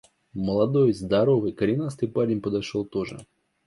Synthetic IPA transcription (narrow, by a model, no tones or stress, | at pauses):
məlˠɐd̪ojzd̪ɐɾovɨjkəɾʲɪnast̪ɨjpalʲɪnʲpəd̪ɐʂolˠt̪oʐɨ̰